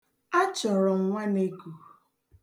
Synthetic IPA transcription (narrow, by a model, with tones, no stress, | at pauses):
a˦t͡ʃɔ˨ɾɔ˨ŋ̩˨ŋʷa˦ne˦ku˨